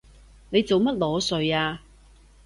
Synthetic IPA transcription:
ne˨˧jt͡so˨wmɐ˥t̚lɔː˨˥sɵ˨ɥaː˧

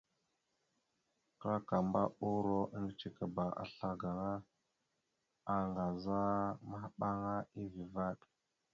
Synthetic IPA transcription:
kɾa˦ka˨mba̰˦u˦ɾo˦ə˦ŋ˨t͡ʃi˨ka˨ba˨ʔa̰˨ɬa˦ɡa˨ŋa˦ | a˨ŋɡa˨za˦ma˦hɓa˦ŋa˦i˦vi˨va˦˨ɗ

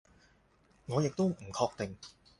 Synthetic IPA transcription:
ŋɔː˨˧jɪ˨k̚t̪o˥wm̩˨˩kʰɔː˧k̚t̪ɪ˨ŋ

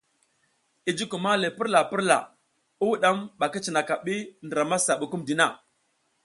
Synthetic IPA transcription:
i˨d͡ʒi˦ku˨ma˦le˨pi˦ɾla˨pi˦ɾla̰˨ | u˦wɗa˦mɓa˨ki˦t͡ʃi˨na˨ka˨ɓi˦ndɾa˨ma˦sa˨ɓu˨ku˦mdi˨na˦˨

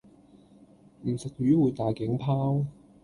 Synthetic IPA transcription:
m̩˨˩sɪ˨k̚jyː˨˥wuː˨˧jt̪aː˨jkɪ˨˥ŋpʰaː˥w

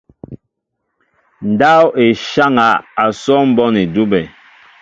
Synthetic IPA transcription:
n̩˨da˦we˨ʃa˦ŋa˨a˨sɔ˦m̩˦bɔ˦ni˨du˦bɛ˨

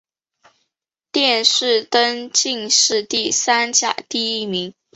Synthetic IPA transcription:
t̪jɛ˥˧nʂɻ̩˥˩t̪ə˥nt͡ɕi˥˧ŋʂɻ̩˥˧t̪i˥˩sa˥nt͡ɕja̰˥˨˩t̪i˥˩i˥mi˧˥ŋ

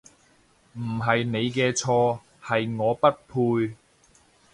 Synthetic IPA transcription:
m̩˨˩ɦɐ˨jne˨˧jkɛː˧t͡ʃʰɔː˧ | hɐ˨jŋɔː˨˧pɐ˥t̚pʰuː˧j

